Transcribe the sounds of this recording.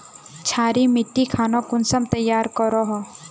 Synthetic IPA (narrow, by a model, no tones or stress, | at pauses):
t͡ʃʰaːɾimɪʈːikʰaːnokʊnsəmt̪ɐjːaːɾkɔɾoɦo